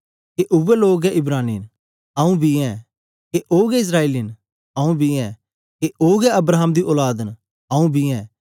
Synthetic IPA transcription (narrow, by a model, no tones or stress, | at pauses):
keʔʊʋɛloːɡɛɪbɾaːnḭːn | ɐ̃ũbʱiɛ̃ | keʔoːɡɛɪs̬ɾaːeːlin | ɐũbʱiɛ̃ | keʔoːɡɛɐbɾaːɦəmd̪iʔoːlaːd̪n | ɐũbʱiɛ̃ː